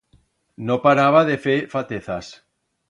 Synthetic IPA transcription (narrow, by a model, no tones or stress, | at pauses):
nopaɾaβ̞aðefefat̪eθas